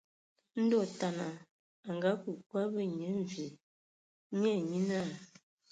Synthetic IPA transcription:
n̩˦dɔ˦˨ta˨na˨ | a˨ŋɡa˨˦ku˨kwa˦bə˦ɲə˨˦ɱ˨vi˨˦ | ɲɛ˦˨ɲi˦na˦˨

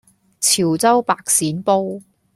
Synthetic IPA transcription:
t͡sʰiː˨˩wt͡sɐ˥wpaː˨˧k̚siː˨˥npo˥w

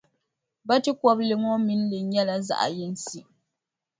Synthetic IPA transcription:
ba˦tɨ˦kɔ˦blɨ˨ŋɔ˦mi˦n˦lɨ˨˦ɲɛ˦la˦za̰˨ʔa̰˨jɪ˦n˦si˨

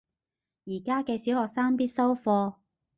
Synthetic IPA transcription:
jiː˨˩kaː˥kɛː˧si˨˥whɔː˨k̚saː˥ŋpiː˥t̚sɐ˥wfɔː˧

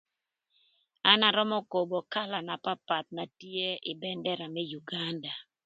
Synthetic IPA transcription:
a˦na˨ɾɔ˦mɔ˦ko˨bo˨ka˦la˨na˨pa˦pa˨t̪̚na˨tje˦ɪ˨bɛ˦ndɛ˦ɾa˨mɛ˦ju˨ɡa˦nda˨

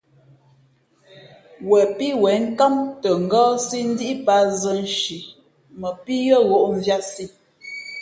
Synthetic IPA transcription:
wɛ˨pi˦wɛ˨˦ŋ̩˦ka˦mtə˨ŋ̩˨ɡɔ˦si˦n̩˦di˦i˦pa˦zə˦n̩˨ʃi˨ | mə˨pi˦ɣə˦˨ɣo˦ʔɱ˨vja˦si˦˨

